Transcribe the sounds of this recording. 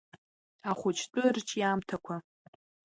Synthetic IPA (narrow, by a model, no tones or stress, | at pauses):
aχʷʊt͡ʃʰtʷʼʊrt͡ʃʰʼjaːmtʰakʷʰa